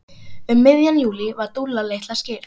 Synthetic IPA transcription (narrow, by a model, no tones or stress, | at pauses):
ʏmːɪðjanjuːlivaɾt̪ulːaleːjht̪lascɪːɾ